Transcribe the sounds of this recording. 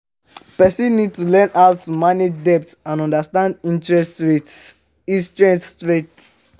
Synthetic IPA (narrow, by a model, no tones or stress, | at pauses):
pɛsĩnːid̚tulɛ̃nʔawtʰːumaned͡ʒdɛp̚tãnɔ̃ndastãndĩntɹɛsɹet | ĩstɹɛ̃nstɹet